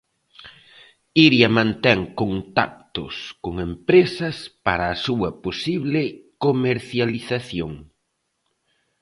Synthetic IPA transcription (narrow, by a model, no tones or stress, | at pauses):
iɾjɐmãnt̪ɛŋkont̪a̰k̚t̪ʊ̰skoŋempɾesɐspaɾɐːsuɐposiβlɪkomeɾθjaliθaθjoŋ